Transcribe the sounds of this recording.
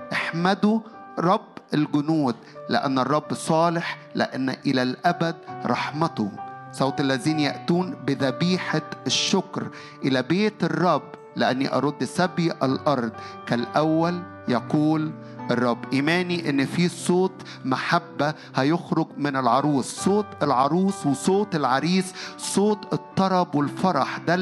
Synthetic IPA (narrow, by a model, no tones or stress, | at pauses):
ʔaħmæd̪ʊ | ɾˤɑbːɪlɡʊnuːd̪lɪ̰ʔæ̰nːɑrˤːɑbːsˤɑːlɪħlɪ̰ʔanːʔɪlælʔæbæd̪̚ɾˤɑħmæt̪o̰sˤɑːt̪ˤʔalːæziːnjaʔt̪uːnbɪðæbiːħaʃːʊkɾ | ʔɪlæbeːt̪ɨrˤːɑbː | leʔanːḭʔɑ̰ɾˤod̪ːsæbiʔælʔɑɾˤd̪ˤkælʔæwːæl | jɑquːl | ʔɑrˤːɑbːʔiːmæːniʔɪnːfiːsˤoːt̪ | maħabːæ | hæjoxɾʊɡmɪnɪlʕɑɾˤuːsˤːoːt̪ɪlʕɑɾˤuːsˤwɪsˤoːt̪ɪlʕɑɾiːssˤoːt̪ˤɪt̪ˤːɑɾˤɑbwɪlfɑɾˤɑħd̪æ